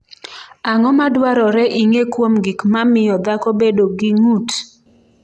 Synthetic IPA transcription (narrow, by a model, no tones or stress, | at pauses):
aŋɔmadwaɾɔɾɛʔiŋekwomɡikmamɪjɔd̪akɔbedoɡiŋut